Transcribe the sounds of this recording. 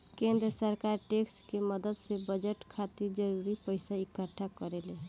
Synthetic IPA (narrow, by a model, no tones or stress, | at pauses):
kend̪ɾəsəɾkaɾʈekskeməd̪əd̪sebəd͡ʒeʈkʰat̪iɾd͡ʒəɾuɾipəɪsaikːəʈʰːakəɾele